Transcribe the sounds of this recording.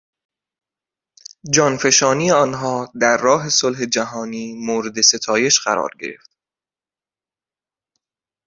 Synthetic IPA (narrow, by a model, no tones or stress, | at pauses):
d͡ʒɒːnfe̞ʃɒːniːeɒːnɦɒːd̪æɾːɒːɦe̞solɦe̞d͡ʒæɦɒːniːmoːɾe̞d̪e̞se̞t̪ʰɒːje̞ʃɢ̥æ̰ɾɒ̰ːɾɟe̞̰ɾe̞̰ft̪